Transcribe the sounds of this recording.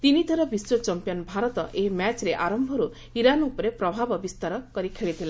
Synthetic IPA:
t̪inid̪ʱɔɾɔbiswɔt͡ʃɔmpijɔnbʱaɾɔt̪ɔʔeɦmat͡ʃɾeʔaɾɔmbʱɔɾu | iɾanupɔɾepɾɔbʱabɔbist̪aɾɔkɔɾikʰeɭit̪ʰila

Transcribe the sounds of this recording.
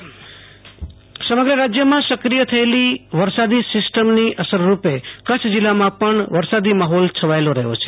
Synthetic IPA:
səməɡɾəɾad͡ʒjəmãsəkɾijət̪ʰəeliʋəɾsad̪isɪsʈəmniʔəsəɾːupekət͡ʃʰd͡ʒilːamãpəɳʋəɾsad̪imaɦɔlt͡ʃʰəʋaeloɾə̰ɦo̰t͡ʃʰe̥

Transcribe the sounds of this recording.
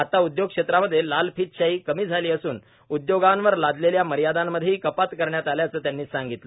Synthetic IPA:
at̪aud̪joɡ̚kʂet̪ɾaməd̪ʱːjelalpiːt̪̚ɕaɦiːkəmiːd͡zʱaliːəsuːn | ud̪joɡanʋəɾlad̪leljaməɾjad̪amːəd̪ʱjeikəpat̪kəɾɳjat̪aljat͡səːt̪janːiːsaŋɡit̪lə

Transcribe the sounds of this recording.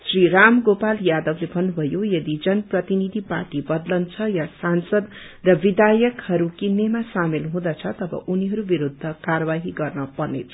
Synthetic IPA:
sriɾamɡopaljad̪ʌblebʱʌnːubʱʌjojʌd̪id͡zʌnʌprʌt̪inid̪ʱiparʈibʌd̪lʌnt͡sʰʌjasansʌd̪ | rʌbid̪ʱajʌkhʌɾukinːemasamelɦũd̪ʌt͡sʰʌt̪ʌbʌ̰ʔuniɦʌɾubiɾud̪ʱːʌkarʌβaɦiɡʌrnʌpʌnḛt͡sʰʌ

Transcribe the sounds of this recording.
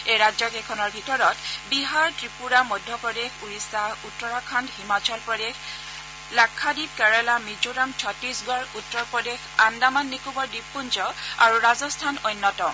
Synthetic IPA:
ejɹazɔkɛkʰɔnɔɹbʱitɔɹɔtbiɦaɹtɹipuɹamɔdʱːɔpɹɔdexuɹisautːɔɹakʰandhimat͡ʃɔlpɹɔdex | lakʰːadib̚kɛɹɛlamid͡ʒoɾamt͡ʃʰɔtɹisɡɔɹutːɔɹpɹɔdexandamanːikubɔɹdipːunzɔaɹuɹazɔstʰanɔjnːɔtɔ

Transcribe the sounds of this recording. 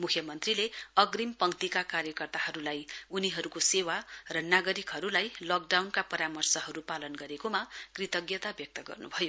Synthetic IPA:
mukʰjʌmʌnt̪rileʌɡrimpʌŋt̪ikakarjʌkʌrt̪aɦʌɾulajuniɦʌɾukosewarʌnaɡʌɾikɦʌɾulajlʌk̚ɖawnkapʌɾamʌrsʌɦʌɾupalʌnɡʌɾekomakrit̪ʌɡjʌt̪abjʌk̚t̪ʌɡʌ̰rnṵbʱʌjo

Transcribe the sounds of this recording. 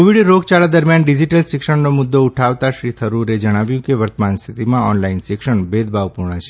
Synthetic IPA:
koʋiɽɾoɡt͡ʃaɭad̪əɾmjanɖid͡ʒiʈəlsɪkʃəɳnomʊd̪ːouʈʰaʋt̪aʃɾit̪ʰəɾuɾed͡ʒəɽ̃aʋjũkeʋəɾt̪əmanst̪ʰit̪imãɔnlainsɪkʃəɳbed̪bʱaʋpuɾɳat͡ʃʰe

